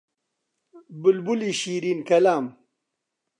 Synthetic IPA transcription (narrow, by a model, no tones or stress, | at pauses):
bulbuliɕiːɾinkɐlaːm